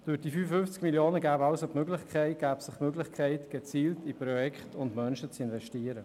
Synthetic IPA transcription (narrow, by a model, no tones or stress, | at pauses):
d̥yːɾd̥iːfyːfəfʏnft͡skmiljoːnəɡaːbɑʊsotmøɡlɪχkʰɛɪt̚ɡ̥æːbsɪχmøɡlɪχkʰɛɪtɡ̥et͡siːltipɾɔjɛkχtʊndmœnʃət͡sɪnvɛʃtiːəɾə